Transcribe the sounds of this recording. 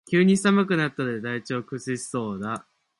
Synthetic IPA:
kʲɨːɲ̟i̥samɯ̟kɯ̟nat̪ːad̪ed̪ait͡ɕo̞ːkɯ̟sɨɕi̥so̞ːd̪a

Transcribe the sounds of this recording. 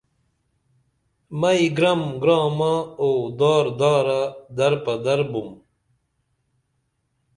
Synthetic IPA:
mɐiɡɾɐmɡɾɑːmaod̪ɑːɾd̪aːɾad̪ɐɾpɐd̪ɐɾbum

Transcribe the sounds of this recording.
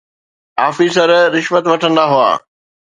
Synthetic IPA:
aːfiːsəɾɾɪʃʋət̪ʋɐʈʰə̃nd̪aɦua̰ː

